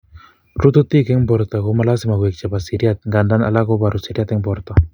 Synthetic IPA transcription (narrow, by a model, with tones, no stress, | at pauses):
ɾu˦t̪u˦t̪i˦kɛ˦ŋbɔ˨ɾt̪ɔ˨ko˦mala˦simaɡwɛk̚t͡ʃa˨basiɾiat̪̚ŋɡanda˦na̰la˦ko˦ba˨ɾusiɾi˦at̪ɛ˦ŋbɔɾt̪ɔ˨